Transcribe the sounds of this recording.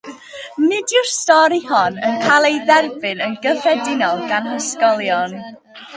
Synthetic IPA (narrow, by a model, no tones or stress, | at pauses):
mɪdʊrstɔɾiɦɔnənkʰalˠejðɛrbɨnənɡəfɛdɪnɔlˠɡanɦɔskɔlˠjɔn